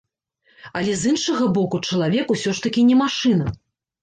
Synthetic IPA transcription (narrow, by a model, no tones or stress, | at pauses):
ɐlʲɛzɨnʂɐɣɐbɔkut͡ʂɐlˠavʲɛkusʲɔʂt̪ɐkʲinʲɛmaʂɨnɐ